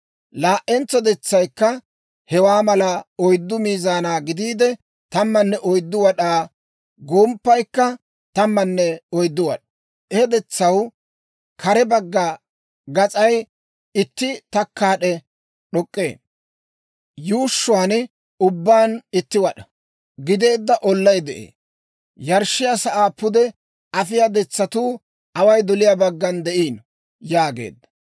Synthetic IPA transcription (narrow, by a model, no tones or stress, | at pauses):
laːʔɛnt͡sːɔd̪ɛt͡sːɐjkːɐ | hɛwaːmɐlɐɔjd̪ːʊmiːzaːnaːɡɪd̪iːd̪ɛ | t̪ɐmːɐnːɛʔɔjd̪ːʊwɐɗaː | ɡoːmpːɐjkːɐ | t̪ɐmːɐnːɛɔjd̪ːʊwɐɗ | ɛhɛd̪ɛt͡sːɐw | kʰɐɾɛbɐɡːɐ | ɡɐt͡sʼɐj | ɪt̪ːɪt̪ɐkːaːɗɛ | ɗɔkʼːḛː | juːʃːʊaːn | ʊbːaːnɪt̪ːɪwɐɗɐ̥ | ɡɪd̪e̞ːd̪ːɐʔɔlːɐjd̪ɛʔḛː | jɐɾʃːɪjasɐʔaːpʊd̪ɛ | ɐfɪjad̪ɛt͡sːɐt̪uː | ɐwɐjd̪ɔlɪjabɐɡːɐnd̪ɛʔiːn | jaːɡe̞̰ːd̪ːɐ